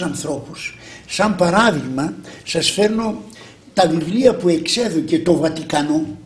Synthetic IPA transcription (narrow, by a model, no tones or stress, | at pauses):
ɐnθɾo̞pussɐmpɐɾɐðiɣmɐsɐsfe̞ɾno | t̪ɐvivliɐpue̞kse̞ðoce̞t̪o̞vɐt̪ikɐno